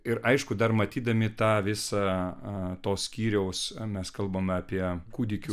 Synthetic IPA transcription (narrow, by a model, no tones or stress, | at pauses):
ɪɾɐɪʃkʊd̪ɐrmɐt̪ʲiːd̪ɐmʲɪt̪ɑːʋʲɪsɑ | t̪oːssʲkʲiːɾʲɛʊsmʲɛskɐlˠbɐmʲɐpʲiɛkuːd̪ʲɪkʲu